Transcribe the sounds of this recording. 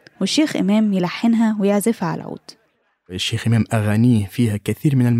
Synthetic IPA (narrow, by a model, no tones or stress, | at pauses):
wɪʃːeːxʔɪ̰mɛːmjɪlaħːɪnɦæwɪjaʕzɪfhaʕa̰lʕṵːd̪̥ | ʃːeːxʔɪmɛːmʔæɣæniːfiːhækæθiːɾmɪnɪlm